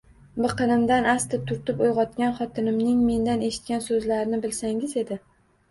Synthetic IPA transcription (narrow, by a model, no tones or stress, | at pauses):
bɨqʰɨnɪmd̪anast̪ɪp̚t̪ʰʊɾt̪ɪpojʁɒt̪kʲanχɒt̪ʰɪnɪmnɪŋme̞nd̪ane̞ʃɪ̥t̪̚kʲansɵzlaɾɪnɪbɪlsaŋɪze̞d̪ɪ